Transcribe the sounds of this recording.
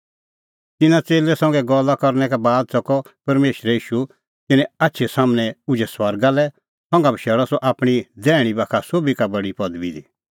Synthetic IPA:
t̪ɪnat͡seːlɛsɔ̃ŋɡɛɡɔːlakɔɾnɛkabaːd̪̚sɔkɔpɐɾmeːʃɾɛiːʃu | t̪ɪnɛ̃atːʃʰɛsaːmñɛ̃ʊd͡ʒɛswɐɾɡalɛ | sɔ̃ŋɡabiʃɛːɽɔsɔʔaːpɽ̃idɛːɽ̃ibakʰasoːbikabɐɽipɐd̪bid̪i

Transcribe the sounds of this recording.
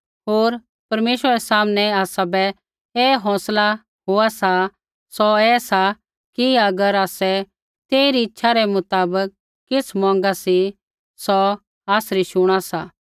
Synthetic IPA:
ɦoːɾ | pɐɾmeːʃwəɾɛsaːmnɛaːsabɛ | eːɦɔ̃ːsla | ɦoasa | sɔɛːsa | kiɐɡəɾaːsɛ | t̪eːiɾiɪtːʃʰaɾɛmʊt̪aːbəkː | ɪt͡sʰmɔ̃ːŋ̆ɡasi | sɔ | aːsɾiʃʊɽ̃asaː

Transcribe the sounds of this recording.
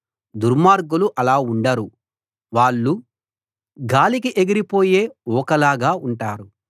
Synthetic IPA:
d̪uɾmaːɾɡuluʔɐlaːuɳɖɐɾu | ʋaːɭːu | ɡaːlikiʔeɡiɾipo̞ːje̞ːɔːkɐlaːɡaːuɳʈaːɾu

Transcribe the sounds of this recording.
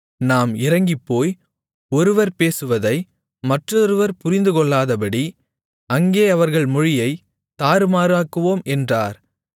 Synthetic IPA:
naːmɪɾɐŋɡɪpːoːj | ɔɾɯʋɐɾpeːsɯʋɐðɐɪ | mɐʈrɔɾɯʋɐɾpʊɾɪnd̪ɯkɔɭːaːðɐp̬ɐɽi | ɐŋɡeːɐʋɐɾɣɐɭmʊɻɪjɐɪ | t̪aːɾɯmaːɾaːkːɯʋoːmʔɛndraːɾ

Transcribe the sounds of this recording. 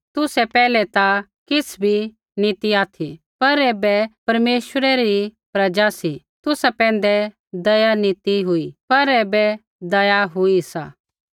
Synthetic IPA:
t̪ʊsɛpɛːlɛt̪a | kɪsʰbʱi | nit̪iaːt̪ʰi | pɐɾeːbɛpɐɾmeːʃəɾɛɾipɾɐd͡ʒasi | t̪ʊsapɛ̃ːn̆d̪ɛ | d̪ɐjanit̪iɦʊipɐɾeːbɛ | d̪ɐjaɦʊisa̰ː

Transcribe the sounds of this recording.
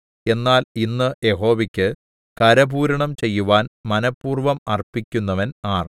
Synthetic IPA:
e̞nːaːlinːɨje̞ɦo̞ːʋikʲːɨ | kɐɾɐbuːɾɐɳɐmt͡ɕe̞jːuʋaːnmɐnɐpːuːrʋɐmɐrpːikʲːunːɐʋɐnaːr

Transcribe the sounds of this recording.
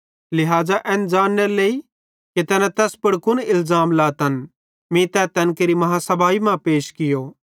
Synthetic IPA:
lɪɦaːzaʔɛ̃ːnd͡ʒaːnːeɾleːi | ket̪ɛːnɛ̃t̪ɛːspɐɽkʊnɪlzaːmlaːt̪ɐn | mĩt̪ɛt̪ɛnkeːɾimɐɦasɐbʱaːimãpeːʃkɪjo

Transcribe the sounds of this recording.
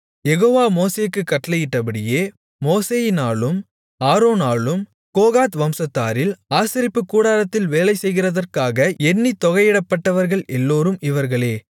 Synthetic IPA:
jɛɣoːʋaːmoːseːkːɯkːɐʈːɐlɐjɪʈːɐpɐɽɪjeː | moːseːjɪnaːɭɯm | aːɾoːnaːɭɯm | koːɣaːt̪ʋɐmsɐt̪ːa̰ːɾɪlaːsɪɾɪpːɯkːuːɽaːlɐt̪ːɪlʋeːlɐɪsɛjɣɪrɐðɐrkaːɣɐɛɳːit̪ɔɣɐɪɪɽɐpːɐʈːɐʋɐɾɣɐɭɛlːoːɾɯmɪʋɐɾɣɐɭeː

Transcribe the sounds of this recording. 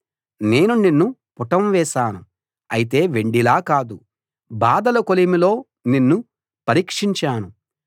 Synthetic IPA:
ne̞ːnuninːupuʈɐmʋɛːʃaːnu | ɐjit̪e̞ːʋeɳɖilaːkaːd̪u | baːd̪ɐlɐkolimilo̞ː | ninːu | pɐɾiːkʂiɲt͡ʃaːnu

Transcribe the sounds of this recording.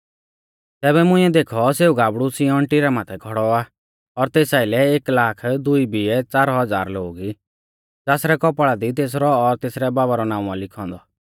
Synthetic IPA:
t̪ɛːbɛmʊ̃ɪ̃ɛ̃d̪eːkʰɔseːuɡaːbɽusĩɔ̃ɳʈiɾamaːt̪ʰɛɡʰʱɔɽɔa | ɔɾt̪eːsaːɪlɛeːklaːkʰd̪uibiɛt͡saːɾɦɔd͡za̰ːɾloːɡi | d͡zaːsɾɛkɔpɭad̪it̪eːs̬ɾɔːɾt̪eːsɾɛbaːbaɾɔnaːũãlɪkʰɔ̃ːnd̪ɔ

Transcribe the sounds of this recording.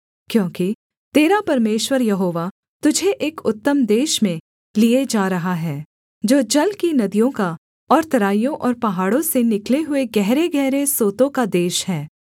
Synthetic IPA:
kjõːki | t̪eːɾapɐɾmeːʃwəɾjɐɦoːʋa | t̪ʊd͡ʒʱeʔeːkʊt̪ːəmd̪eːʃmẽ | lied͡ʒaːɾɐɦaɦɛː | d͡ʒoːd͡ʒɐlkinɐd̪ijõka | ɔːɾt̪ɐɾaːijõʔɔːɾpɐɦaːɽõsenɪkleɦʊeɡɛɦɾeɡɛɦɾesoːt̪õkad̪eːʃɦɛː

